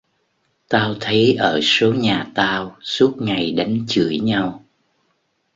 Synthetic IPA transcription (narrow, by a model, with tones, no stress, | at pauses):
t̪aː˧wt̪ʰə˨˦jʔəː˧˩so˨˦ɲaː˨˩t̪aː˧wsu˦˥ət̚ŋa˨˩jɗa˨˦jŋ̟t͡ɕɨ̰˧˩əjɲa˧w